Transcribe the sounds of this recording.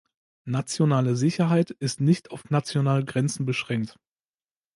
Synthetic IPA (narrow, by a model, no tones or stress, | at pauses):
nat͡sjonaːləzɪçɐɦaɪtɪstnɪçtaʊfnat͡sjonaːləɡʁɛnt͡sn̩bəʃʁ̥ɛŋk̚t